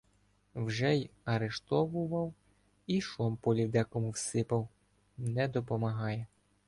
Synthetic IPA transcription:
wʒɛjɐɾeʃt̪ɔʋʊʋɐw | iʃɔmpɔlʲiwd̪ɛkɔmʊwsɪpɐw | nɛd̪ɔpɔmɐɦɑjɛ

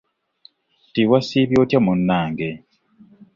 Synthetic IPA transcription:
tiwasiːβjoːtjamunːaːŋɡe

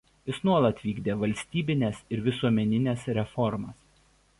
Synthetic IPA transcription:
ɪsnuɔlˠɐt̪ʋʲiːɡd̪ʲeːʋɐlʲsʲt̪ʲiːbʲɪnʲɛsɪɾʋʲɪsuɔmʲɛnʲɪnʲɛsɾʲɛfɔɾmɐs

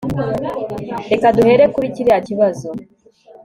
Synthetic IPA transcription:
ɾe̞kaduhe̞ɾe̞kuɾiciɾeaciβazo

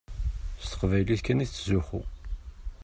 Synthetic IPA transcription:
st̪ə̥qvæjliθkæniθt͡sːzuxṵ

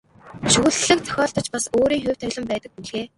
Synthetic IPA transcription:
ʃɵɣɘ̆ɮɮɘ̆k̚t͡sʰœ̥xʲɔːɮt̪ɞ̆t͡ɕpasoːɾiːŋxʊw̥ʲt̪ʰœɮɞ̆mpæːt̪ə̆k̚puɮɣeː

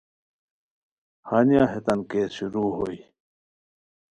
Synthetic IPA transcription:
hanijaːɦet̪ɐnkeːsuɾuːɦoi

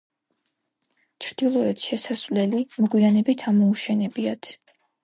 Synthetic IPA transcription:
t͡ʃʰɾd̪̥ilˠɔɛt̪ʰʃɛsasvlɛlimɔɡwianɛbit̪ʰamɔuʃɛnɛbiat̪ʰ

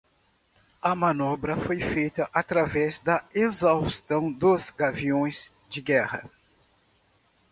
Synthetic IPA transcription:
ɐmɐ̃nɔbɾɐfojfejt̪ɐʔat̪ɾavɛzd̪ɐezawst̪ɐ̃w̃d̪ozɡaviõj̃z | d͡ʒɪɡɛhɐ̰

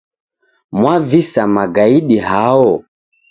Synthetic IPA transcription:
mwavisamaɡaiɗiɦaɔ

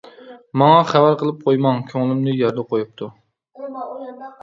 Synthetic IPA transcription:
mɑŋɑχævæɾqəlˠɪp̚qʰojmɑŋkʲʰøŋlˠɪmnɪjɑɾd̪ɛqojup̚t̪ʰʊ

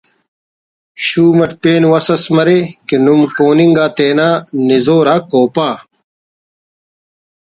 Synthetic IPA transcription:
ɕuːmɐʈpeːnwɐsɐsmɐɾekinumkoːniŋɡaːt̪eːnaːnizoːɾaːkoːpaː

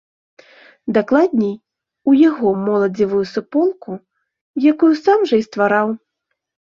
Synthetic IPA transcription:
d̪aklˠad̪̚ʲnʲij | ujaɣɔmɔlˠɐd͡zʲivujusupɔlˠku | jakujusamʐɐist̪vaɾaw

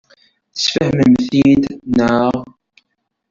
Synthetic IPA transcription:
θə̥sfəhməmθid̪nəʁ

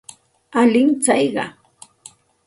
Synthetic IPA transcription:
alɪŋt͡sajɢɑ̰

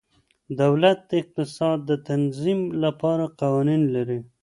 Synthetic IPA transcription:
d̪awlat̪̚d̪əɪq̚t̪ɪsɑd̪ːət̪anzimlapɑɾaqawɑninlaɾi

